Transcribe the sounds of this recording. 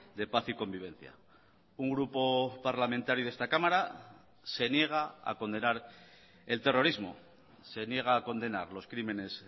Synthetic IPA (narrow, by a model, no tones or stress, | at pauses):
d̪e̞paθiko̞mbiβ̞e̞n̟θja̰ | uŋɡɾupo̞paɾlamẽnt̪aɾjuðe̞st̪akamaɾa | se̞nje̞ɣ̞aa̰ko̞nd̪e̞naɾ | e̞lt̪e̞ro̞ɾizmo̞̰ | se̞nje̞ɣ̞aːko̞nd̪e̞naɾlo̞skɾime̞ne̞s